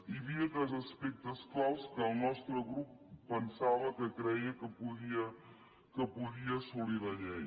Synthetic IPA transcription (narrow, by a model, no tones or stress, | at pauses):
iβiət̪əzəspek̚d̪əsklawskəːlˠnɔst̪ɾəɣɾupːənsaβəkəkɾɛjəkəpuɣiə | kəpuɣiəsuliðəʎɛj